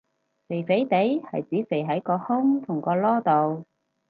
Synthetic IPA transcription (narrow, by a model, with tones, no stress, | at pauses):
se˨˩jfe˨˥jt̪e˨˥jhɐ̰˨jt͡siː˨˥se˨˩jɦɐ˨˥jkɔː˧hʊ˥ŋt̪ʰʊ˨˩ŋkɔː˧lɔː˥t̪o˨w